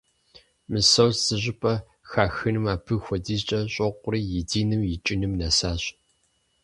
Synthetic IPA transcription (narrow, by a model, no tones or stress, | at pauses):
mɨsɐwzzɨʑɪpʼɐ | xaːxɨnɨmaːpʰɨxʷɔdiːzt͡ʃʼɐɕʼɐqʷʊriːjɪdiːnɨmjɪt͡ʃʼɪnɨmnɐsaːɕ